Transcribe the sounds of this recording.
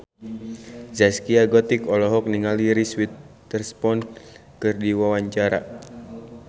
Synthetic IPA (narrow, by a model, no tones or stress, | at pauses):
zaskiaɡɔt̪ikɔlɔɦɔk̚niŋaliɾiswit̪ː | ərspɔnkɨrdiwawaɲt͡ʃaɾa̰